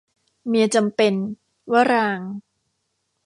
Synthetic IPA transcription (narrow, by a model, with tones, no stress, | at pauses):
mi˧ət͡ɕa˧mpe˧n | waː˥˩ɾaː˧ŋ